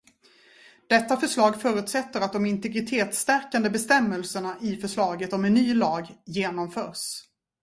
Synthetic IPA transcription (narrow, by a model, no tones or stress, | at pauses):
d̪̥ɛt̪ːafœʂɭɑːɡfœːɾʉ̟ːt̪sɛt̪ːəɾat̪̚d̪ɔmɪnt̪ɛɡɾɪt̪ʰeːt̪st̪æɾkand̪əbɛst̪ɛmːəlsəɳaʔɪfœʂɭɑːɡət̪ɔmɛnːyːlɑːɡjeːnɔmfœːɾʂ